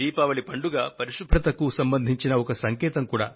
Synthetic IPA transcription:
iːpaːʋɐɭipɐɳɖuɡaːpɐɾiʂud̪ʱɾɐt̪ɐkusɐmbɐnd̪ʱiɲt͡ʃinɐɔkɐsɐŋkɛːt̪ɐmkuːɽa̰ː

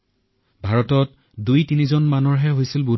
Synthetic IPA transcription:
bʱaɹɔtɔt | dujtinizɔnmanɔɹɦɛɦojsilbu

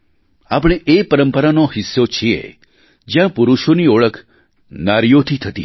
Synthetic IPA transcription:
apəɽ̃eʔepəɾəmpəɾanoɦɪsːot͡ʃʰiḛ | d͡ʒjãpuɾuʃonioɭəkʰ | naɾjot̪ʰit̪ʰət̪ḭ

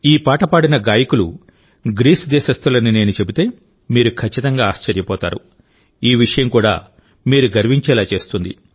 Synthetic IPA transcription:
iːpaːʈɐpaːɽinɐɡaːjɐkulu | ɡɾiːsd̪ɛːʃɐst̪ulɐnine̞ːnut͡ʃe̞but̪e̞ː | miːɾukʰɐt͡ʃːit̪ɐŋɡaːaːʃt͡ʃɐɾjɐpɔːt̪a̰ːɾu | iːʋiʂɐjɐmkuːɽa̰ː | miːɾuɡɐɾʋiɲt͡ʃɛːlaːt͡ʃe̞ːst̪und̪ḭ

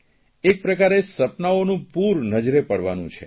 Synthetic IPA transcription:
ek̚pɾəkaɾesəpnaonũpuɾnəd͡ʒɾepəɽʋa̰nṵ̃t͡ʃʰḛ

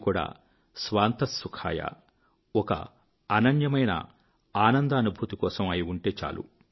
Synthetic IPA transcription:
kuːɽa̰ː | sʋaːnt̪ɐsːukʰaːjɐ̰ | ɔkɐ̰ | anɐɳjɐmɐjnɐ̰ | aːnɐnd̪ɐɐnubʱuːt̪ikɔːsɐmɐjiuɳʈe̞ːt͡ʃa̰ːlṵ

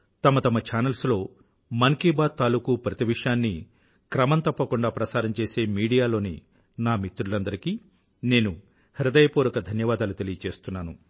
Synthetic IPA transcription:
t̪ɐmɐt̪ɐmɐt͡ʃaːnɐlslo̞ː | mɐŋkiːbaːd̪̚t̪aːlukupɾɐt̪iʋiʂjaːnːi | kɾɐmɐnt̪ɐpːɐkuɳɖaːpɾɐsaːɾɐmt͡ʃe̞ːse̞ːmiːɽijaːlo̞ːnḭ | naːmit̪ːuɾulɐnd̪ɐɾikiː | ne̞ːnu | hiɾɐd̪ɐjɐpuːɾɐkɐd̪ʱɐnjɐʋaːd̪aːlut̪e̞lijɐt͡ʃe̞ːst̪unːaːnu

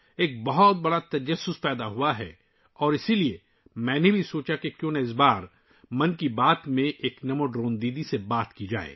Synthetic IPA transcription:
eːk̚bɐɦɔt̪̚bɐɽat̪ɐd͡ʒɐsːʊspɛːd̪aɦuaɦɛ̰ | ɔːɾɪsilie | mɛ̃ːnebʱisoːt͡ʃakekjõːnaɪs̬baːɾ | mɐnkibaːt̪mẽʔeːknɐmoɖɾõːnd̪iːd̪isebaːt̪kid͡ʒa̰ːḛː

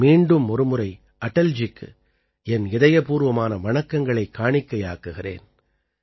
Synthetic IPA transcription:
miːɳɖɯmɔɾɯmɯɾɐɪ | ʔɐʈːɐld͡ʒɪkːɯ̰ | ɛnɪðɐjɐpuːɾʋɐmaːnɐʋɐɳɐkːɐŋɡɐɭɐɪkːaːɳɪkːɐjaːkːɯɣɪrḛːn

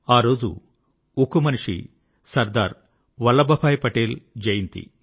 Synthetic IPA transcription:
aːɾo̞ːd͡ʒṵ | ukumɐniʂḭ | sɐɾd̪aːɾ | ʋɐlːɐbɐpʰaːjpɐʈeːld͡ʒejint̪ḭ

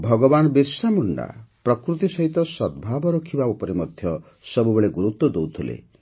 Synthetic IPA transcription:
bʱɔɡɔbanɔbiɾsamuɳɖa̰pɾɔkɾut̪isɔɦit̪ɔsɔd̪̚bʱabɔɾɔkʰibaupɔɾemɔd̪ʱjɔ | sɔbubeɭeɡuɾut̪ːwɔd̪owt̪ʰulḛ

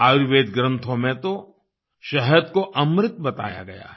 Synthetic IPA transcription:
aːʋeːd̪ɡɾə̃nt̪ʰõmẽt̪o | ʃɐɦəd̪koʔɐmɾɪt̪bɐt̪a̰ːja̰ɡɐja̰ː

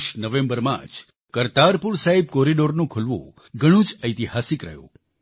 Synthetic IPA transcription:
ʃnəʋẽmbəɾmã̰d͡ʒ | kəɾt̪aɾpuɾsaɦib̚kɔɾiɖoɾnũkʰʊlʋõ̰ | ɡəɽ̃ũd͡ʒəjt̪ihasikɾə̰jõ̰

